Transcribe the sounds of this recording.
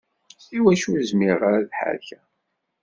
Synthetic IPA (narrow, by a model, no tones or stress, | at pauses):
θiwæʃuzmiʁaɾaðħa̰ɾçæ